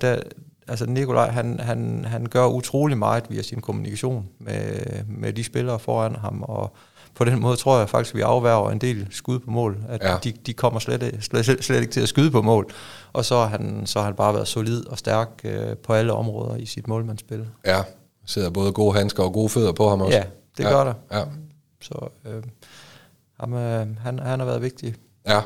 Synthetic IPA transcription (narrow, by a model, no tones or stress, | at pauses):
d̥ææls̬ənikʰo̝lʔɑ̰̈ɪɦænɦænɦænɡ̥ɶɐʔut͡sʰʁo̝̰ːlimɑ̈ɪð̩ˠʋiæsinkʰo̝munikʰæɕo̝̰ːnmemed̥isb̥e̝lɐːfɒːænɦɑ̈mɒ̽ | pʰɒ̽d̥enmɔ̽ːð̞ˠt͡sʰʁo̝ɐ̰jɑɪfɑ̈ɡ̥isɡ̥ʋiʔɑ̈ʊʋæɐʊɐend̥e̝̰ːlsɡ̥uð̞ˠpʰɒ̽mɔ̰̽ːlæd̥id̥ikʰɒ̽m̰ɐsledsled̥eɡ̥̚t͡sʰe̝læsɡ̥uðˠpʰɒ̽mɔ̰̽ːlʔɒ̽sɒ̽hɑɦænsɒ̽hɑ̈hænb̥ɑ̈ːʋæːɐðˠso̝lið̰ˠɒ̽sd̥æɐɡ̥̚øpʰɒ̽æləɒ̽mʁɔ̽ːð̞ˠɐisid̥mɔ̰ːlmænsb̥e̝lɐ | se̝ð̰ˠɐb̥ɔ̽ːðˠəɡ̥o̝̰ːɦænsɡ̥ɐɒ̽ɡ̥o̝ːføð̞̰ˠɐpʰɒhɑ̈mɒjsæd̥e̝ɡɶɐ̰ɾ̥ɑ | sɒ̽ø | hɑ̈mɦænhænhɑ̈ʋæːɐðˠʋe̝ɡ̥̚d̥i